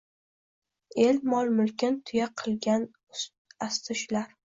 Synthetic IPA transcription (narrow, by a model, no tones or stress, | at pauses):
e̞lmɒlˠmʊlˠkʲɪnt̪ʰʊjaqʰɨlˠɡʲan | ast̪ʰɪʃlaɾ